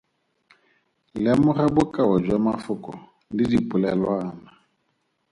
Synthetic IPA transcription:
lamʊrabʊkʼawad͡ʒwamafʊkʼɔ̰ | lidipʼʊlɛlwaːna

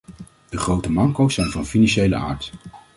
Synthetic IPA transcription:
d̥əχrowtəmɑŋkowsɛjnvɑnfinɑnʃejlə̰ʔa̰ːɹt

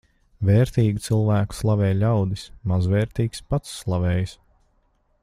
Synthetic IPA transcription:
vɛːɾt̪iːɡit̪silˠvæːku̥slˠavɛːjlʲawd̪ismazvɛːɾt̪iːkspat̪sːlˠavɛːjs

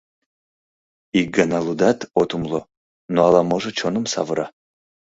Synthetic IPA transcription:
iɡanalud̪at̪ʰot̪ʰumlo | noalamoʒɨt͡ʃʰonɨmsa̰vɨɾa

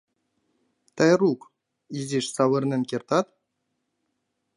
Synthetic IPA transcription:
t̪ɑjruk | iziʃsɑβɤ̆rnɘ̆nkʲert̪ɑt̪

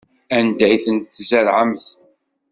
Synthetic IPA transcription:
ænd̪æjθənt̪ːzælʕəmθ

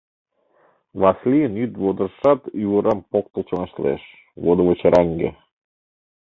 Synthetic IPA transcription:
βɑslʲijənyt̪βod̪ə̆ɾʃɑt̪uβəɾɑmpok̚t̪ə̆lt͡ɕoŋɑʃlḛʃ | βod̪ə̆βət͡ɕəɾʔɑŋɡḛ

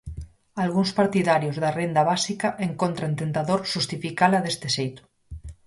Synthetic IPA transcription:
alɣuŋspaɾt̪iðaɾjozðarend̪aβasikaʔeŋkont̪ɾant̪ent̪aðoɾʃust̪ifikalaðest̪esejt̪ʊ̥

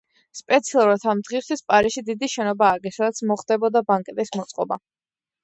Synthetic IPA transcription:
spʼɛt̪sʰialˠuɾat̪ʰamd̪ʁist̪ʰispʼaɾiʃid̪id̪iʃɛnɔbaːɾɡɛsad̪at̪sʰmɔχd̪ɛbɔd̪abaŋkʼɛt̪ʼismɔt̪sʼqʼɔ̰ba̰

